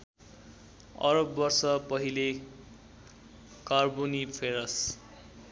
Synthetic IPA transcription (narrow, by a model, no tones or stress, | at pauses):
ʌ̰ɾʌbːʌrsʌpʌɦile | karbonipʰeɾʌs